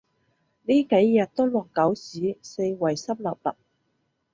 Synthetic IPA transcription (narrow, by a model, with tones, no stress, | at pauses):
niː˥ke˨˥jːɐ˨t̚t̪o˥lɔː˨˩kːɐ˨˥wsiː˨˥se˧jwɐ˨˩jsɐ˥p̚lɐ˨p̚lɐ̰˨˩k̚